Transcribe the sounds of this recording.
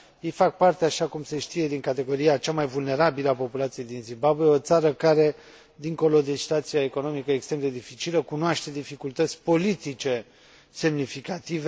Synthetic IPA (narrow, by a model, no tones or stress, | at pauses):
jejfak̚part̪eaʃakumse̞ʃt̪ije̞d̪iŋkat̪e̞ɡo̞ɾiat͡ʃamajvulne̞ɾabiləapo̞pulat̪sije̞jd̪inzimbabweeo̞t̪saɾəkaɾe̞ | d̪iŋko̞lo̞d̪esi̥t̪wat̪sijaeko̞no̞mikəekst̪ɾe̞md̪e̞d̪ifit͡ʃiləkunoaʃt̪e̞d̪ifikult̪ət̪sʲpo̞lit̪it͡ʃe̞ | se̞mnifikat̪ive